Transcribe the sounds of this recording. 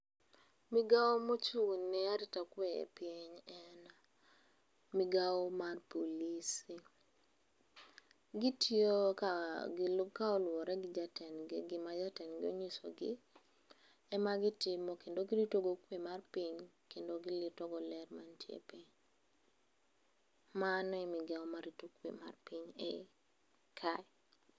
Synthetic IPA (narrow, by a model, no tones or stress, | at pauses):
miɡaomot͡ʃunːɛaɾɪtakweḛpiɲɛna | miɡaɔmarpolisi | ɡɪtjokɡlkaɔlwɔɾɛɡɪd͡ʒatɛnɡɡɪmad͡ʒatɛnɡɪoɲiso̰ɡɪ | ɛmaɡɪtɪmɔkendoɡɪɾitoɡokwemarpiɲ | kendoɡɪlɪtɔɡɔlɛrmantʰjḛpe | manɛmɪɡaomaɾitokwḛma̰rpiɲɛ | kʰaɛ